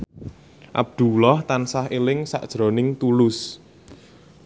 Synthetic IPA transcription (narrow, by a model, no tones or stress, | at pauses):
ʔa̰b̚d̪̥ṳlɔht̪ansaɦelɪŋsa̰ʔd̥ʒ̥ɾo̤nɪŋt̪ulʊs